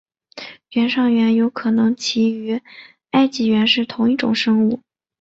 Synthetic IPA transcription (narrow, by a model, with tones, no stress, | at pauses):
ɥɛ˧˥nʂɑ˥˩ŋɥɛ˧˥njo˧˥ʊkʰɤ˨˩nɤ˧˥ŋt͡ɕʰi˧˥y˧˥ | a˥˧ɪt͡ɕi˧˩ɥɛ˧˥nʂɻ̩˥˩t̪ʰʊ˧˥ŋi˥˩ʈ͡ʂʊ̰˨˩ŋʂɤ˥ŋu˥˩